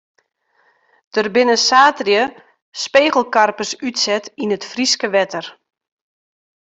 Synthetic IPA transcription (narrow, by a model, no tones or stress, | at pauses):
d̥ərbɪnəsaːtrjə | speːɣəl̩ˠkarpəsytsɛtinətfriskəʋɛtər